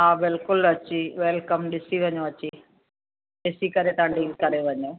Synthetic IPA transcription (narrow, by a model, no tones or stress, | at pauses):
ãːʋelkʊlʋɐt͡ʃːiʋelkɐmɖɪsiʋɐɲːũʋɐt͡ʃːi | ɖisikɐɾet̪ɐɳɖikɐɾeʋɐɲːũ